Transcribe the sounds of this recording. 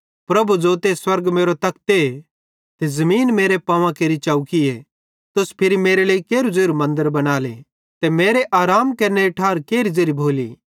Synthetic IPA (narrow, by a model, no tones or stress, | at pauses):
pɾɐbud͡ʒoːt̪eswɐɾɡmeːɾot̪ɐk̚t̪e | t̪ezɐmiːnmeːɾepãːʋãkeːɾit͡ʃaːukie | t̪ʊspʰɪɾimeːɾeleːikeːɾud͡zeːɾumɐ̃nd̪əɾbɐnaːlḛ | t̪emeːɾeʔaːɾaːmkɐɾneiʈʰaːɾkeːɾizeːɾibʱoːlḭː